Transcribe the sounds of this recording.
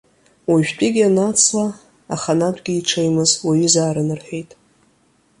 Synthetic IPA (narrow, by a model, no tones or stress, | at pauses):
waʒᶣt͡pʼiɡʲianat͡sʰla | aχanadʷʼɡʲiːʈ͡ʂʰejmɨzwaɥʏzaːɾɨnɨrħʷᶣejtʼ